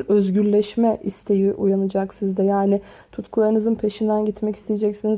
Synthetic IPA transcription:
ɾøzɟyɾlʲɛʃmɛʔist̪ʰe̞jiʔujanɯd͡ʒaksizd̪ɛjaːnɪ | t̪ʰut̪kʰulˠaɾɯnɯzɯnpʰe̞ʃind̪ænɟit̪mɛci̥st̪ʰejed͡ʒɛcsiniz

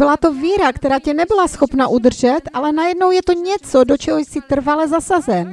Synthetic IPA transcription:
bɪlat̪oviːɾakt̪ɛɾaːcɛnɛbɪlasxopnaʔud̪r̩ʒɛt̪ʔalɛnajɛdnowjɛt̪oɲɛt͡sodot͡ʃɛɦojsɪt̪r̩valɛzasazɛn

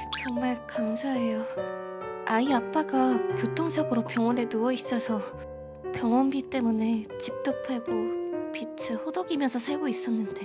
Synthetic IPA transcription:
t͡ɕʌŋmaɭkamsʰaɦe̞jo | aiap͈aɡakjotʰoŋsʰʌɡɯɾopjʌŋwʌnenuʌis͈ʌsʰʌ | pjʌŋwʌnbit͈e̞mune̞t͡ɕip̚t͈ɯpʰaɡopit͡ɕʰɯhodoɡimjʌnsʰʌsʰaɭɡois͈ʌnːɯnde̞

